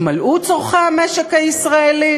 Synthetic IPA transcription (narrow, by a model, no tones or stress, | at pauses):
malʔut͡soʁχameʃekhaisʁaeli